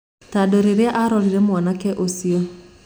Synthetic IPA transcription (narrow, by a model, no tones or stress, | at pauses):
tadoɾeɾeaʔaɾɔɾiɾɛmwanakɛʔosio